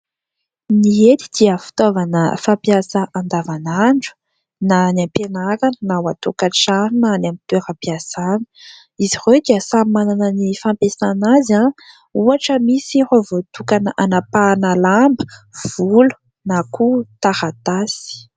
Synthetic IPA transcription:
niet̪i̥d̪̥iəfi̥t̪ovanə̰fapjasəʔãnd̪avanaɳɖ͡ʐu̥ | nanapenaɾanənawat̪okaʈ͡ʂaɾinanamit̪eɾapiasanə̥ | iziʁed̪iəsamananənifampesanaza | uaʈ͡ʂəmisiɾovot̪ukanəʔanapanalambə̥v̥ulu̥ | nakut̪aɾat̪asi̥

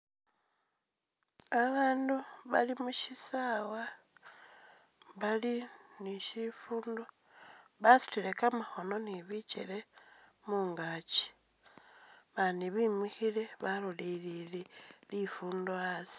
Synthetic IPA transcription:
aβaːnduβalimuʃisawa | βaliniʃifuːndo̞ | βasu̥tilekamaxo̞no̞niβit͡ʃḛle | muːŋɡat͡ʃi̥ | βaniβimwixileβalulilililifuːndoasi̥

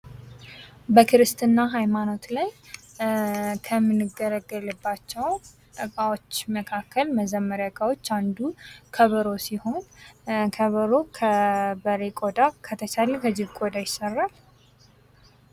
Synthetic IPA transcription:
bəkʰɨɾɨst̪ɨnːaɦajmano̞t̪laj | kʰəmɨnːɨɡəɾəɡːəlɨbːat͡ʃːɛw | t̪ʼəkʼawot͡ʃːməkʰakːəlməzəmːəɾjaɡʼawo̞t͡ʃːand̪ukʰəβəɾo̞siho̞nkʰəβəɾokʰəbəɾekʼod̪akʰət̪ʰət͡ʃalkʰəd͡ʒɪhkʼod̪ajɪsərːal

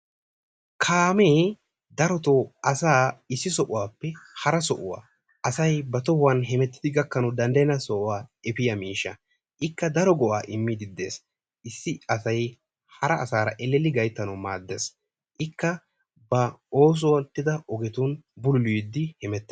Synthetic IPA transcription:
kʰaːmeː | d̪ɐɾɔt̪ɔʔɐsaːɪsːɪsɔʔʊwaːpːɛhɐɾɐsɔʔʊwa̰ː | ɐsɐjbɐt̪ɔhʊwɐnɦɛmɛt̪ːɪ̥d̪ɪɡɐkːɐnɔd̪ɐnd̪ɐjɪnɐsɔʔʊwaːɛpɪjɐmiːʃːɐ | ʔɪkːɐd̪ɐɾɔɡɔʔaːʔɪmːɪd̪ɪd̪ːe̞̰ːs | ʔɪsːɪɐsɐj | hɐɾɐːsaːɾɐʔɛlːɛlːɪɡɐjt̪ːɐnɐwmaːd̪ːeːs | ʔɪkːɐ | bɐo̞ːs̬ɔwɐt̪ːɪd̪ɐʔɔɡɛt̪uːnbʊlʊlʊid̪ːɪhɛmɛt̪ːe

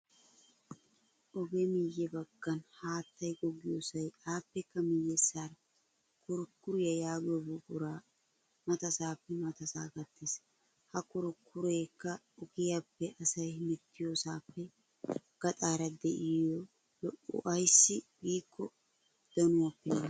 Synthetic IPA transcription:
ʔɔɡɛmɪjːɛbɐɡ̥ːɐnhaːt̪ːɐjɡɔɡɪjosɐjaːpːɛkːɐmɪjːɛsaːɾɐ | kʰʊɾʊkːʊɾɪjɐjaːɡjɔbʊkʼʊɾaː | mɐt̪ɐsaːpːɛmɐt̪ɐsaːɡɐt̪ːeːs | hɐkʊɾʊkʰːʊɾeːkːɐ | ɔkɪjapːɛʔɐsɐjhmɛt̪ːɪjoːsaːpːɛ | ɡ̥ɐt̪ʼaːɾɐd̪ɛʔɪjɔ | lɔʔʊ̰ʔɐjsːɪɡiːkːɔ | d̪̥ɐnʊwapːɛ

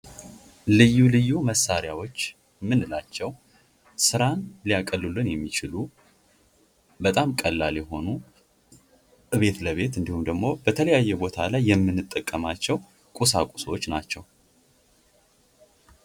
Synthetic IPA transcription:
lɨjːulɨjːuməsːaɾjawo̞t͡ʃː | mɨnːɨlat͡ʃːɛw | sɨɾanlijakʼəlːulːɨnjɛmːit͡ʃɪlu | bət̪ʼamkʼəlːaljɛɦo̞nu | βe̞t̪ləβe̞t̪ɨnd̪ihumd̪əɡmo̞bət̪ʰələjajːɛbo̞t̪ʰalajːɛmːɨnːɨt̪ʼːəkʼːəmat͡ʃːɛw | kʼusakʷʼu̥swot͡ʃːnat͡ʃːɛw

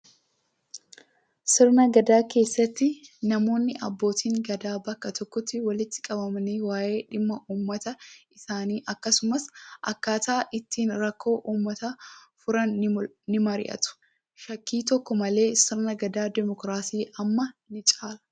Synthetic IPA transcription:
sɪɾnɐɡɐd̪aːke̞ːsːɐt̪ːɪnɐmo̞ːnːɪʔɐ̰bːo̞ːt̪ʰiːŋɡɐd̪aːbɐkːɐt̪ɔkːɔt̪ːɪwɐlɪt̪ːɪ̥kʼɐbɐmɐniːwaːʔe̞ːᶑɪmːɐʔuːmːɐt̪ɐɪsaːniːʔɐkːɐsʊmɐsʔɐ̰kːaːt̪aːʔɪt̪ːiːnɾɐkʰːo̞ːʔuːmːɐt̪ɐfʊɾɐn | nɪmɐɾɪ̰ʔɐ̰t̪ʊ̥ | ʃɐkːiːt̪ɔkːɔmɐle̞ːsɪɾnɐɡɐd̪aːd̪ɛmɔkɾaːsiːʔɐmːɐnɪt͡ʃʼaːlɐ̥

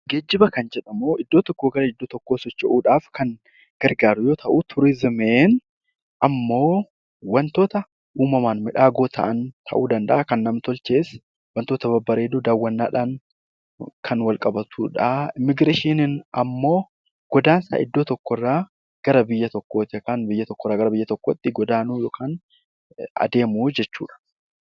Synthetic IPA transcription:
ɡeːd͡ʒːɪbɐkɐnd͡ʒɛᶑɐmoːʔɪd̪ːoːt̪ɔkːoːɡɐɾɐɪd̪ːoːt̪ɔkːo̞ːsɔt͡ʃːɛʔuːᶑaːfkɐŋ | ɡ̥ɐɾɡaːɾʊjoːt̪ʰɐʔut̪ʰʊɾɪzɪmeːn | ʔɐmːo̞ː | wɐnt̪o̞ːt̪ɐ | ʔuːmɐmaːnmɪᶑaːɡoːt̪ʰɐ̰ʔɐnt̪ʰɐ̰ʔuːd̪ɐnd̪ɐ̰ʔaːkɐnːɐmt̪ɔlt͡ʃe̞ːs | wɐnt̪oːt̪ɐbɐbːɐɾeːd̪ʊd̪aːwːɐnːa̰ːᶑaːŋ | kʰɐnwɐlkʼɐbɐt̪ʰuːᶑɐɪmɪɡɾeːʃinɪnɐmːo̞ː | ɡ̥ɔd̪aːnsa̰ːʔɪd̪ːo̞ːt̪ɔkːɔrːaː | ɡ̥ɐɾɐbɪjːɐt̪ɔkːoːt̪ɪkanbɪjːɐt̪ɔkːɔrːaːɡɐɾɐbɪjːɐt̪ɔkːoːt̪ːɪɡɔd̪aːnuːjoːkʰaːn | ɐ̰d̪e̞ːmuːd͡ʒɛt͡ʃːṵːᶑɐ̥

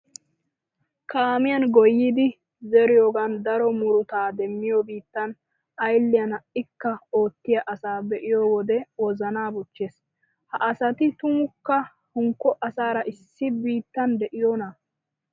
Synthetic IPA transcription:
kaːmɪjɐnɡɔjːiːd̪ɪ | zɛɾɪjoːɡɐnd̪ɐɾɔmʊɾʊt̪aːd̪ɛmːɪjobiːt̪ːɐn | ɐjlːɪjɐnɐʔɪkːɐo̞ːt̪ːɪjɐʔɐsaːbɛʔɪjoːwɔd̪ɛwɔzɐnaːbɔt͡ʃːeːs | hɐʔɐsɐt̪ɪt̪ʊŋkːɐ | hʊŋkːɔʔɐsaːɾɐʔɪsːɪbiːt̪ːɐnd̪ɛʔɪjoːnɐ

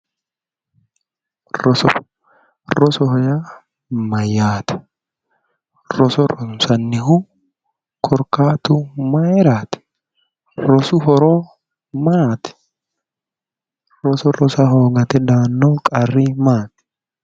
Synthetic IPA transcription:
rɔsɔ | ɾɔsɔhɔjaː | mɐjaːt̪ɛ̥ | ɾɔsɔɾɔsɐnːɪɦʊ | kʰɔɾkaːt̪ʊmɐɛɾaːt̪ɛ̥ | ɾɔsʊɦɔɾoː | maːt̪ɛ̥ | ɾɔsɔɾɔsɐɦoːɡɐt̪ɛd̪aːnːoːkʼɐrːiːmaːt̪

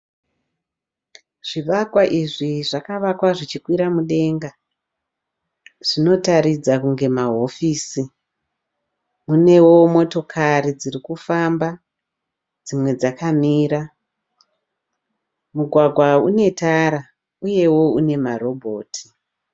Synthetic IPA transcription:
ʐ̥iʋakwaʔiʐiʐakaʋakwaʐit͡ʃikwiɾamuɗe̞ŋɡa | ʐ̥ino̞taɾid͡zakuŋɡe̞maɦo̞fiːsi | mune̞wo̞mo̞to̞kʰaɾid͡zirikufamba | d͡zimwe̞d͡zakamiːɾa | muɡʱwaɡʱwaune̞taɾa | uje̞wo̞une̞maɾo̞bʱo̞ːtʰi̥

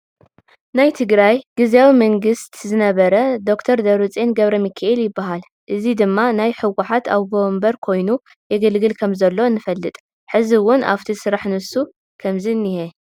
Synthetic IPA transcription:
najt̪ʰɨɡɾajɡ̥ɨzjawimɐŋɡɨst̪zɨnɐβɐɾɐd̪o̞kt̪ʰɐɾd̪ɐɾɨt͡sʼenɡɐβɾɐmɨkʰaʔeljɪbːaɦal | ʔɨzid̪ɨmːanajħɨwaħat̪ʰa̰βbombɐɾkʰo̞jnu | jɛɡɨlɡɨlkʰɐmzɐlːo̞ɨnːɨfɐlːɨt̪ʼ | ħɨziwʊnʔa̰ft̪ʰisɨɾaħnɨsu | kʰɐmzinːihe

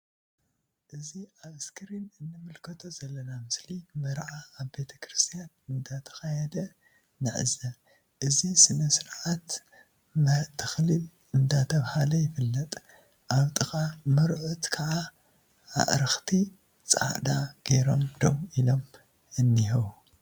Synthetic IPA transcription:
ʔɨziaβɨskʰɨɾinɨnːɨmɨlkʰɐt̪ʰo̞zɐlːɐnamɨslimɐɾʕaːβbe̞t̪ʰɐ̥kʰɾɨst̪ʰijanɨnd̪at̪ʰɐ̥xajɛd̪ɐ | nɨʕɨ̰zɐ | ʔɨzisɨnɐsɨɾʕat̪ | mɐt̪ʰːɨ̥xlil | ɨnd̪at̪ʰɐβhalɐjɪfɨlːɐt̪ʼ | ʔaβt̪ʼɨxʼamɐɾʕut̪kʰɐʕa | a̰ʔɾɨxt̪ʰi | t͡sʼa̰ʕd̪aɡ̥e̞ɾo̞md̪omilo̞m | ɨnːihɐwu

